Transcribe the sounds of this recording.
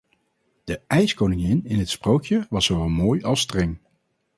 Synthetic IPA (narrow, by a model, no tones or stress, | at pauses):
d̥əʔɛjskownɪŋɪnɪnɦətsprowkjəʋɑsowʋɛlˠmoːjɑlˠstrɛŋ